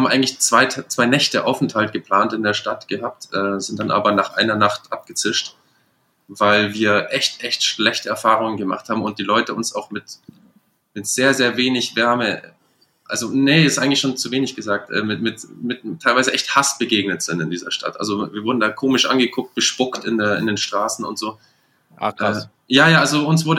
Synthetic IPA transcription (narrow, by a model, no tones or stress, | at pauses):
aːm̩ʔaɪɡŋ̩tlɪçt͡sv̥aɪtʰt͡sv̥aɪnɛçtəʔa̰ʊfn̩thalt̚ɡ̥əpl̥aːntɪndeːɐʃtatɡ̥əɦaːp̚tʔɛːzɪnt̚d̥anʔa̰ːbɐnaːχʔa̰ɪnɐnaχtʔap̚ɡ̥ət͡sɪʃt | vaɪlviːɐʔɛçtʔɛçtʃlɛçtəɛɐfaːʁ̞ʊŋənɡəma̰χthaːbmʊnt̚d̥iːlɔʏtəʊnsa̰ʊxmɪt | mɪtz̥eːɐzeːɐveːnɪçv̥ɛɐmə | ʔa̰lzonəɪstʔaɪɡŋ̩lçʃoːnt͡suveːnɪçɡ̥əzaːk̚tʔɛ̰ːmɪtmɪtmɪttʰaɪlvaɪzəʔɛçthasb̥əɡeːɡnətz̥ɪntɪndiːzɐʃtʰa̰tʔa̰lzoviːɐvʊɐdn̩daːkʰoːmɪʃʔa̰nɡəkʰʊk̚t̚b̥əʃpʊktɪndeːɐɪ̰ndeːnʃtʁ̥aːsn̩ʊ̰ntz̥oː | ʔʔɛː | jaːjaːʔalzoʊnsv̥ʊɐdə